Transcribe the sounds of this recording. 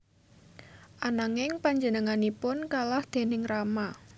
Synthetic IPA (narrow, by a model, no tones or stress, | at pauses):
ʔanaŋɪŋpaɲd͡ʒənəŋanipʊnkalahd̪̥e̤nɪŋrama